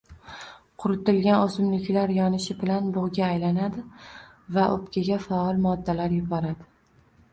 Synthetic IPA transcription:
qʰʊɾʊt̪ɪlɡʲanosʊmlɪkʲlaɾjɒnɪʃɪbɪlanbʊʁɡʲaːjlanad̪ɪ | vaʔopkʲʰaɡʲafaɒlˠmɒd̪ːalaɾjʊbɒɾad̪ɪ

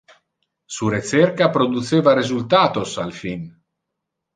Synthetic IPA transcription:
suɾet͡sɛrkapɾod̪ut͡seːvaɾezult̪aːt̪osalfin

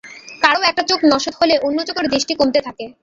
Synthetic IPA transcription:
kaɾoɛk̚ʈat͡ɕoknɔʃot̪holeʔonːot͡ɕokeɾd̪ɾiʃʈikomt̪et̪ʰake

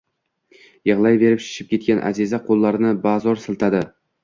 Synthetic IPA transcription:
jɨʁlˠɑjbe̞ɾɪpʃɪ̥ʃɪp̚kʲʰe̞t̪̚kʲanʔa̰zizaqʰolˠːɑɾnɪbɑzɒɾsɪlˠt̪ʰad̪ɪ

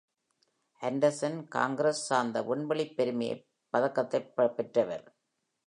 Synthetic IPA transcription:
ɐɳɖɐɾsɐnka̰ːŋɡɪɾɐsːaːnd̪ɐʔʊɳbɐɭɪpːɛɾɯmɐjɐ̰ | pːɐðɐkːɐt̪ːɐɪpːɐpːɛʈrɐʋɐ̰ɾ

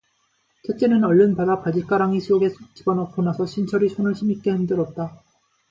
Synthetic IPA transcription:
t͡ɕʰet͡ɕ͈e̞nɯnʌɭːɯnpadapad͡ʑik͈aɾaŋisʰioɡesʰot͡ɕ͈ibʌnʌp͈onasʰʌɕʰint͡ɕʰʌɾisʰonɯɭɕʰimik͈e̞hendɯɾʌt̚t͈a

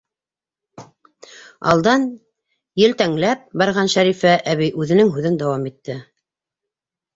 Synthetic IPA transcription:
ɑ̰lˠd̪ɑn | jɘlt̪æŋlæp̚bɑɾʁɑnʃæɾifæʔæβijʉðɘ̆nɘŋɦʉðɘnd̪ɑwɑmit̪ːɘ

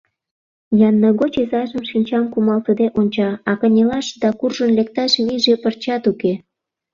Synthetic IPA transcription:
jɑnːəɣot͡ɕezɑʒə̆mʃinʲt͡ɕɑmkumɑlt̪əd̪eʔonʲt͡ɕɑɑkənʲelɑʃd̪ɑkurʒə̆nlek̚t̪ɑʃβiʒepərt͡ɕɑt̪uke

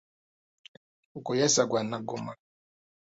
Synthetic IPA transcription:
ukɔjasaɡwanaɡoma

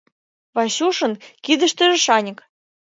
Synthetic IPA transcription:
βɑɕuʃɤ̆nkid̪ə̆ʃt̪ə̆ʒĕʃɑnʲə̆k

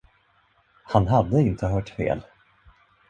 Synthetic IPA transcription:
hanɦad̪ːəɪnt̪ʰəɦœːʈfḛːl

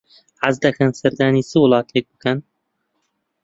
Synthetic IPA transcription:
ʕazd̪ɐkʰɐnsɐɾd̪aːniːsɨwʊlˠɑːt̪ʰek̚bɨkɐn

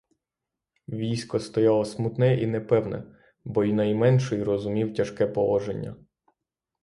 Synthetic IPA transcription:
ʋʲijsʲkɔst̪ɔjɑlˠɔsmut̪nɛʔinɛpɛwnɛ̰ | bɔinɐjmɛnʃɪjrɔzʊmʲiwtʲɐʃkɛpɔʋˠɔʒenʲːɐ̰

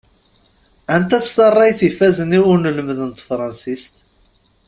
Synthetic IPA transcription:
ænt̪æt͡sːt̪ɑrˤːɑjθifæzəniwʊɾnələmðənt̪fɾˤɑnsist̪

